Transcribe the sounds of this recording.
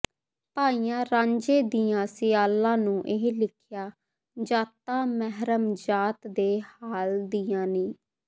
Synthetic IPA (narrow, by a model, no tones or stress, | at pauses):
paːiːjãːɾãːɲd͡ʒeːd̪iːjãːsɪjaːlãːnũːʔeɦlɪkʰjaː | d͡ʒaːt̪ːãːmɛɦɾəmd͡ʒaːt̪d̪eːhaːld̪iːjãːnĩː